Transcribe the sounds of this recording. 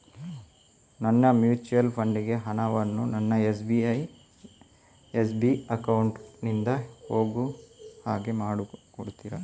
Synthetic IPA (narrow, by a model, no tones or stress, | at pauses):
nɐnːɐmjuːt͡ʃuɐlpʰɐɳɖiɡe̞ɦɐnɐʋɐnːunɐnːɐes̬biɐj | es̬biɐkɐwɳʈnind̪ɐhoːɡuhaːɡe̞maːɽukoɽut̪iːɾɐ